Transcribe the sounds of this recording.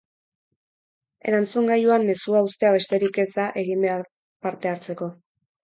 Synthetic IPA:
e̞̰ɾant͡suŋɡajuanːe̞suaust̪e̞aβe̞st̪e̞ɾike̞t͡saʔe̞ɣimbe | paɾt̪e̞aɾt͡se̞ko̞

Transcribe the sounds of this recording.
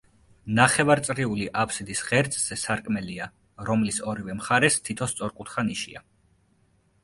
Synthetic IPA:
naχɛvaɾt̪sʼɾiuliʔapʰsid̪isʁɛɾt̪sʼz̥ɛsaɾkʼmɛlia | ɾɔmlisɔɾivɛmχaɾɛst̪ʰit̪ʰɔst̪sʼɔɾkʼut̪ʰχaniʃia̰

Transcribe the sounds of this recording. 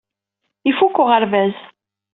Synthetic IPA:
ifukːʊʁəɾvæz

